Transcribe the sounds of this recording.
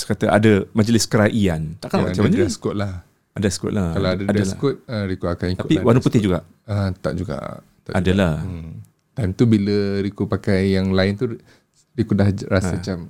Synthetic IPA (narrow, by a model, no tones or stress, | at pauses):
skat̪əʔadəmad͡ʒəlɪskəɾaʔiant̪aʔkalat͡ʃamad͡ʒəɪsə̥kɔt̪̚lah | ʔadasə̥kʊ̰ʔ̪̚lahalaadaadalakʊt̪̚əɾikuakanik̪apiwanuput̪ɪhd͡ʒuɡaʔ | ət̪a̰ʔd͡ʒuɡa̰ʔ̪ | aʔadalah | t̪amt̪ubiləɾikupakajːaŋlaɪnt̪u | ɾikudahɾasət͡ʃam